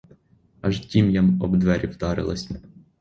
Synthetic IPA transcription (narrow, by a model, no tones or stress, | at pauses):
ɐʒtʲimjamɔbd̪ʋɛɾʲiwd̪ɑɾɪ̰lˠɐ̰sʲ